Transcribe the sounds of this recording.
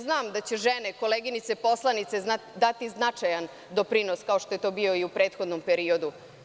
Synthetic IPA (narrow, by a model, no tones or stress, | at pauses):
znaːmd̪at͡ɕeʒeneko̞leːɡinit̪sepo̞slˠanit̪sead̪at̪iznat͡ʂajan | d̪o̞pɾinoskaoʃt̪ojet̪o̞ːbio̞iupɾe̞ːt̪xo̞d̪nompeɾio̞d̪u